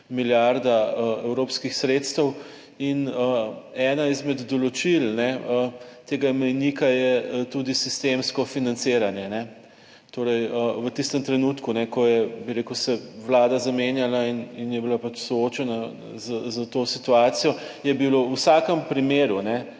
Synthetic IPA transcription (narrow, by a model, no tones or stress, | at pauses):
miljaɾd̪aəɛwɾoːpskixsɾet̪st̪əw | inəɛːnaizmɛd̪ːɔlɔt͡ʃilnɛət̪eːɡamɛjnikajɛt̪ud̪isist̪emskɔfinant̪seːɾanjɛnɛ | t̪oːɾɛjəʋət̪ist̪əmt̪ɾɛnuːt̪kunɛkɔjɛbiɾeːkəwsɛʋlaːd̪azamenjalaininjɛbilapat͡ʃsooːt͡ʃɛna | zəzət̪osit̪uaːt̪sijɔjɛbilousakəmpɾimeːɾunɛ